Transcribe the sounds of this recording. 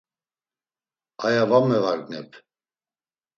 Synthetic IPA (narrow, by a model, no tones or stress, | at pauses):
ajavamɛvaɡnɛpʰ